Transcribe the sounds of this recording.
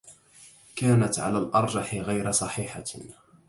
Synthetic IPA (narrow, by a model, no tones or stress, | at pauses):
kaːnat̪ʕa̰laːlʔɑɾˤd͡ʒɑħɪɣajɾasˤɑħiːħa̰